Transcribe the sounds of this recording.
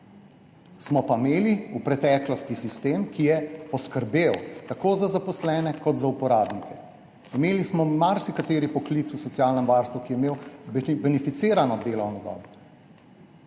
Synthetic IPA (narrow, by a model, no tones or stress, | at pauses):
smɔpameːliupɾɛt̪ɛːklɔst̪isist̪eːmkijɛpɔskəɾbewt̪akoːzazapɔslɛːnɛkɔt̪zaupɔɾaːbnikɛ | imeːlismɔmaɾsikat̪eːɾipɔklit̪susɔt̪sijaːlnɛmʋaːɾst̪ʋukijɛimeːwbɛnifit̪seːɾanɔd̪eːlɔwnɔɡ̪ɔ̰ːl